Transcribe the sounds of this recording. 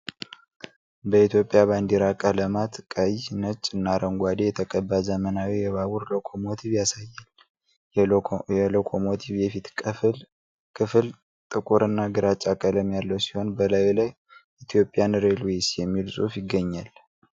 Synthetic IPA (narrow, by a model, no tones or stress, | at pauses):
bəit̪jo̞pʼːjaβand̪iɾakʼələmat̪kʼəjnət͡ʃʼːɨnːaɾəŋɡʷad̪ejɛt̪ʰəkʼəbːazəmənawijɛβawuɾlokʰomo̞t̪ʰiβjasajːal | ɛlokʰomot̪ʰiβjɛfit̪l | kʰɨfɨl | t̪ʼɨkʼuɾɨnːaɡɨɾat͡ʃʼakʼələmjalːəwsi̥ho̞nbəlajlaj | it̪ʰijo̞pʼːjanɾelwesjɛmːilsʼufjɪɡːəɲːal